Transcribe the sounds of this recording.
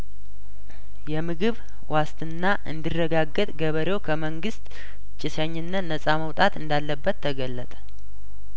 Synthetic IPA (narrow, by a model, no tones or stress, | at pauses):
jɛmɨɡɨβ | wʔast̪ʰɨnːaʔɨ̰nd̪irːəɡaɡːət̪ʼɡəβəɾewkʰəməŋɡɨst̪ | t͡ʃʼːɪsəɲːɪnːət̪nəsʼaməwt̪ʼat̪ɨnd̪alːəbːət̪ʰːəɡəlːət̪ʼə̥